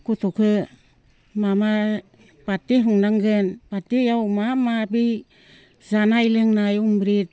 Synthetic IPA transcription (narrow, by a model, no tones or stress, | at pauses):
kutukʰɯ | mama | patːeɦuŋnaŋɡɯnpatːijawmamabi | zanajlɯŋnajumbɾit̚